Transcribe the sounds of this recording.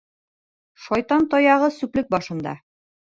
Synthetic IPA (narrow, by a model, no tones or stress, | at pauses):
ʃɒjt̪ɑnt̪ɒjɑʁɤsʉplɘk̚bɒʃɤ̆nd̪ɑ̰